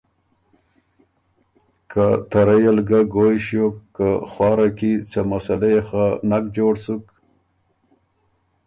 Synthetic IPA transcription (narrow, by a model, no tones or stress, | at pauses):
kʰat̪aɾajalɡaɡojɕjokːaxwɑːɾakit͡samasalexanak̚d͡ʒoːɽsuk